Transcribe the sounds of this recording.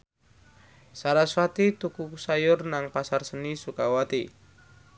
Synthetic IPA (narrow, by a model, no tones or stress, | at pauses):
saɾaswat̪it̪ukuksajʊrnaŋpasarsənisukawat̪i